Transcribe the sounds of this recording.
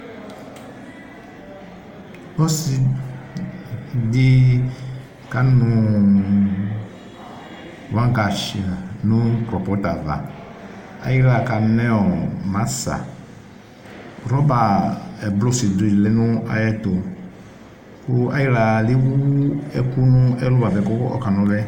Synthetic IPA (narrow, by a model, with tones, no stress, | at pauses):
bɔ˦si˨ | dɪ˦ | ka˨˦nʊ˨ | wã˦ɡa˨ʃi˨a˨nʊ̃˦kɾɔ˨pɔ˨˦ta˨va̰˨ | a̰˨ji˦la˨ka˨nɛ˦ɔ˨ma˨˦sa̰˨ | ɾɔ˨˦ba˨ɛ˨blo˦si˨de˨lɛ˦nʊ˦a̰˨jɛ˦tʊ˨ | kʊ˦a˦ji˦la˨lɪ˦wu˦ɛ˦ku˦nʊ˦ɛ˦lu˦ba˨vɛ˨kɔ˦ɔ̰˦ka˨nɔ˧˦lɛ˦